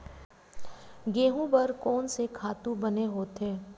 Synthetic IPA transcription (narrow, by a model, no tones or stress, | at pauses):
ɡeːɦũbɐɾkɔːnsekʰaːt̪ũbɐneɦoːt̪ɦeː